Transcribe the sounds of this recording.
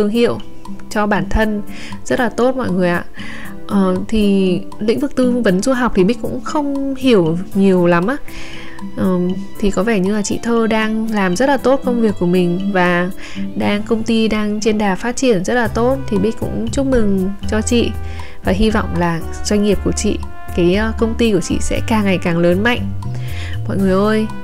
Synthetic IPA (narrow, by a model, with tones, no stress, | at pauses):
t̪ɨ˨˩əŋɦḭ˧˨əw | t͡ɕɔ˧ɓaː˧˩nt̪ʰə˧n | z̥ə˦˥t̚laː˨˩t̪o˦˥t̚mɔ̰˧˨jŋɨ˨˩əjʔa̰ː˧˨ | ʔəː˨˩t̪ʰi˨˩ | lḭ˧˥ŋ̟vɨ˨˩k̚t̪ɨ˧və˨˦nzu˧ɦa˨˩wk͡p̚t̪ʰi˨˩ɓï̟˦˥kʊ̰˧˥ŋ͡mxə˧wŋ͡mhi˧˩əwɲi˨˩əwla˨˦mʔaː˧˦ | ʔəː˨˩m | t̪ʰi˨˩kɔ˨˦vɛ˧˩ɲɨ˧laː˨˩t͡ɕḭ˧˨t̪ʰəː˧ɗaː˧ŋlaː˨˩mzə˦˥t̚laː˨˩t̪o˦˥t̚kə˧wŋ͡mvi˨˩əkːu˧˩əmï˨˩ŋ̟vaː˨˩ | ɗaː˧ŋkə˧wŋ͡mt̪i˧ɗaː˧ŋt͡ɕe˧nɗaː˨˩faː˦˥t̚t͡ɕi˧˩ənzə˦˥t̚laː˨˩t̪o˦˥t̚t̪ʰi˨˩ɓi˦˥k̟kʊ̰˧˥ŋ͡mt͡ɕu˦˥k͡p̚mɨ˨˩ŋt͡ɕɔ˧t͡ɕḭ˧˨ | vaː˨˩ɦi˧vɔ̰˧˨wŋ͡mlaː˨˩ | z̥wa˧jŋ̟ŋi˨˩əp̚ku˧˩ət͡ɕḭ˧˨ | kaː˨˦jkə˧wŋ͡mt̪i˧ku˧˩ət͡ɕḭ˧˨sɛ̰˧˥kaː˨˩ŋːa˨˩jkaː˨˩ŋləː˨˦nma̰˧˨jŋ̟ | mɔ̰˧˨jŋɨ˨˩əjʔəː˧j